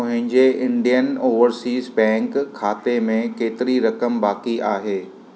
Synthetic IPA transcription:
ʊ̃ɦɪ̃ɲd͡ʑeʔɪ̃ɳɖijənoːʋəɾsiːzbɛ̃ːŋkʰːaːt̪emẽkeːt̪ɪɾiɾɐkəmbaːkiʔaːɦeː

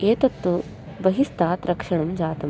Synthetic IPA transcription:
eːt̪ɐt̪ːu | bɐɦist̪aːt̪ɾɐkʂɐɳɐmd͡ʒaːt̪ɐm

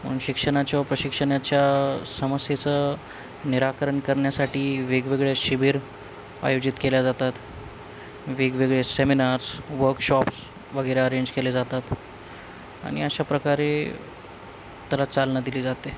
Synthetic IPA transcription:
mə̰nɕikʂəɽ̃at͡ɕjaʋəpɾəɕikʂəɳjat͡ɕjasəməsjet͡sə | niɾakəɾəɳkəɾɳjasaʈiːʋeɡʋeɡɭjeɕibiɾ | a̰jod͡ʑit̪keljad͡zat̪at̪ | ʋeɡʋeɡɭeseminaɾsʋəɾkɕɔps | ʋəɡəjɾeəɾeɲd͡ʑkeled͡zat̪at̪ | a̰ɽ̃ḭəɕapɾəkaɾe | t̪alat͡salnad̪iliːd͡zat̪e

